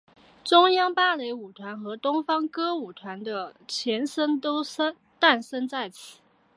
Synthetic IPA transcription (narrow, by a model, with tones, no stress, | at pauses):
ʈ͡ʂʊ˥ŋjɑ˥ŋpa˥le˧˥ɪu˨˩t̪ʰwa˧˥nxɤ˧˥t̪ʊ˥ŋfɑ˥ŋkɤ˥u˨˩t̪ʰwa˧˥nd̪ə˧t͡ɕʰjɛ˧˥nʂə˥nt̪o˥ʊsə˥ | t̪a˥˩nʂə˥nt͡sa˥˩ɪt͡ɕʰi̥˨˩˦